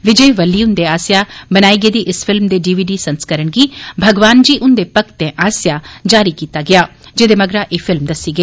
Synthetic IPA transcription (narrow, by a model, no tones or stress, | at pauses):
ʋɪd͡ʒəjʋəlːiːʊ̃nd̪eːaːsjaːbənaːiːɡəːd̪iːʔɪsfʰɪlmd̪eːɖiːʋiːɖiːsənskəɾəɽɡiːbʱəɡʋaːnd͡ʒiːʔʊnd̪eːpəkʰt̪ẽʔaːsjaːd͡ʒaːɾikiːt̪aːɡɪaːd͡ʒed̪eːməɡɾaʔeːfʰɪlmd̪ɐsiːɡəeː